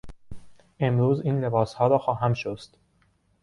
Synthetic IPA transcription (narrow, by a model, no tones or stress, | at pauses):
e̞mɾuːziːnle̞bɒːshɒːɾɒːxɒːɦæmʃosd̪̥